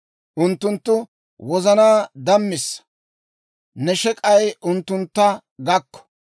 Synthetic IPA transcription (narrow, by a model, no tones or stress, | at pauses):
ʔʊnt̪ːʊnt̪ːʊ | wɔzɐnaːd̪ɐmːɪsːɐ̥ | nɛʃɛkʼɐjʊnt̪ːʊnt̪ːɐ | ɡɐkːɔ̥